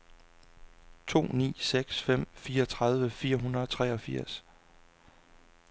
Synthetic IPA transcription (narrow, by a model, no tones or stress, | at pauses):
t͡sʰo̝̰ːnḭːseɡ̥sfem̰fiːɐɒt͡sʰʁɑ̈ð̞ˠʋəfiːɐɦunʁɐðˠɒ̽t͡sʰʁɛːɒ̽fiɐ̰s